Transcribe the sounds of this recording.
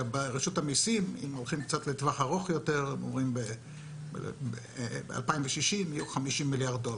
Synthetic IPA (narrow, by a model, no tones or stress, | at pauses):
beʁeʃutamisimḭmolχimkt͡sat̪letvaχaʁoχjo̞te̞ʁemo̰mʁimbḛ | bea̰lpaimveʃiʃimijuχamiʃimːiljaʁd̪̚dol